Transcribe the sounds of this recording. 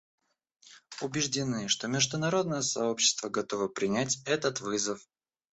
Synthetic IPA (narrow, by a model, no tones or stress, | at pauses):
ʊbʲɪʐdʲɪnɨʂt̪o̞mʲɪʐd̪ʊnɐɾo̞d̪̚nəjəsɐo̞pɕːɪ̥st̪vəɡɐt̪o̞vəpɾʲɪnʲætʲɛt̪ət̪vɨzəf